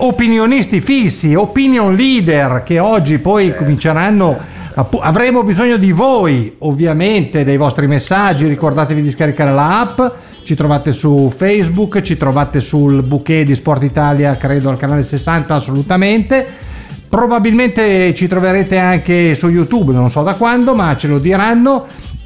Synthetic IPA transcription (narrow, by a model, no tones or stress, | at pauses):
opinjonist̪ifisːiopinjonliːd̪erkeɔd͡ʒːipɔjkomint͡ʃeɾanːo | apuavɾemobizoɲːod̪ivojovːjament̪ed̪ejvɔst̪ɾimesːad͡ʒːiɾikord̪aːt̪evid̪iskaɾikaːɾelaapː | t͡ʃit̪ɾovaːt̪esufɛjzbukːt͡ʃit̪ɾovaːt̪esulbuked̪ispɔrt̪it̪aːljakɾeːd̪oalkanaːlesesːant̪aːsːolut̪ament̪e | pɾobabilment̪et͡ʃit̪ɾoveɾeːt̪eaŋkesujut̪ubnonsɔd̪akwand̪omat͡ʃelod̪iɾanːo